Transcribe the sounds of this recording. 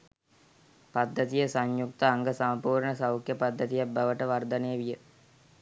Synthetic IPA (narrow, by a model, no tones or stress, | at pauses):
pad̪ːət̪ijəsaɲjuk̚t̪əaŋɡəsampuːɾɳəsawkjəpad̪ːət̪ijabaʋəʈəʋard̪ənejəʋijə